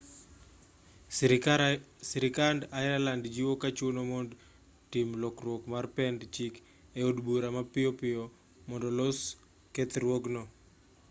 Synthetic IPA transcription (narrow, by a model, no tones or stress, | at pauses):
siɾɪkandaɾalandd͡ʒiwokat͡ʃunomond | timlokrwokmarpɛndt͡ʃik | eodbuɾamapɪjopɪjo | mɔndɔlos | kɛt̪ɾwoɡnɔ